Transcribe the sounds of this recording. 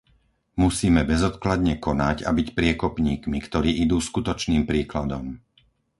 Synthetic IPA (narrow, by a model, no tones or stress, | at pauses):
musiːmɛbɛzɔt̪klad̪ɲɛkɔnaɟa̰bicpɾɪɛkɔpɲiːkmikt̪ɔɾiːʔid̪uːskut̪ɔt͡ʃniːmpɾiːklad̪ɔm